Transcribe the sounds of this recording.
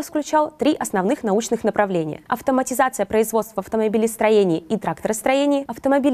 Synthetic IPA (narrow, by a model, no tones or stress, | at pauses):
fsklʲʉt͡ɕalˠt̪ɾʲiʔɐsnɐvnɨxnɐut͡ɕnɨxnəpɾɐvlʲenʲɪjə̰ʔɐ̰ft̪əmətʲɪzat̪sɨjəpɾəɪzvost̪vəɐft̪əmɐbʲilʲɪst̪ɾɐjenʲɪːit̪ɾakt̪əɾəst̪ɾɐjenʲɪːɐft̪əmɐbʲilʲ